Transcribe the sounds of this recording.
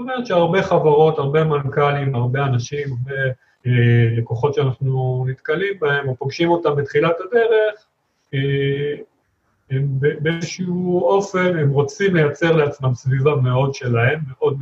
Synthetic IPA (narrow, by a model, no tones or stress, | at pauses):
omeʁet̪ʃeaʁbe̞χavaʁo̞taʁbe̞mankalimaʁbe̞anaʃimaʁbe | lekoχo̞tʃeanaχnunit̪kalimbae̞mopoɡʃimo̞tambet̪χilatade̞ʁe̞χ | e | embebeezʃiuo̞fe̞ne̞mʁo̞t͡simle̞jat͡se̞ʁleat͡smamsvivame̞o̞dʃe̞lae̞mːeʔo̞d̚